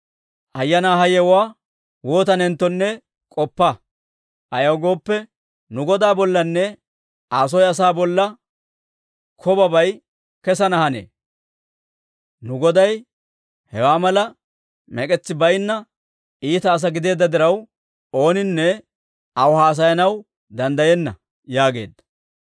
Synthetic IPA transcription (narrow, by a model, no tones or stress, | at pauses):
ʔɐjːɐnaːɦɐjɛwwaː | wo̞ːt̪ɐnɛnt̪ːɔnːɛ | kʼɔpːɐ | ʔɐjɐwɡo̞ːpːɛ | nʊɡɔd̪aːbɔlːɐnːɛ | aːs̬ɔjɐs̬aːbɔlːɐ | kʰɔbɐbɐj | kɛsɐnɐhɐnḛː | nʊɡɔd̪ɐj | hɛwaːmɐlɐ | mɛkʼɛt͡sːɪbɐjnːɐ | iːt̪ɐːs̬ɐɡɪd̪e̞ːd̪ːɐd̪ɪɾɐw | o̞ːnɪnːɛ | ɐwhaːs̬ɐjɐnɐw | d̪ɐnd̪ɐjɛnːɐ | jaːɡe̞̰ːd̪ːɐ̥